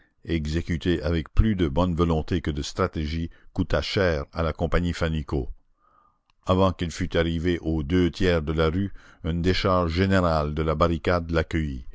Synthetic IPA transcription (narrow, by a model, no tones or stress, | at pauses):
ɛɡzekʲyt̪eʔavɛk̚plyd̪əbɔnvɔlɔ̃t̪ekəd̪əst̪ʁat̪eʒikut̪aʃɛːʁalakɔ̃paɲifaniko | avɑ̃kilfyt̪aʁiveʔod̪øt̪jɛːʁd̪əlaʁyɛ̃d̪eʃaʁʒʒeneʁald̪əlabaʁikad̪lakʲəji